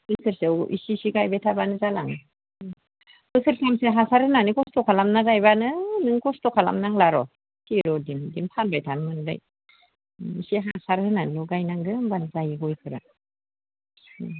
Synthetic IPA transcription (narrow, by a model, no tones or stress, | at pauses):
bɯsʰɯɾsewʔḭsisiɡajbajtʰabanɯzalaŋ | bɯsʰɯɾsʰamseɦasaɾhɯnanikɔstɔkʰalamnaɡajbanɯnɯŋkɔstɔkʰala̰mnaŋlaɾɔ | tʰiɾɔdimdimpʰanbajtʰanmɯnda̰j | isiɦasaɾhɯnanlɔɡajnaŋɡɯmbanzajiɡɔjkʰɯɾa